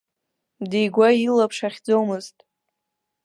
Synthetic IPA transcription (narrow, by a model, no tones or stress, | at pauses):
dejɡʷailapʰʂaχʲd͡zowmɨztʼ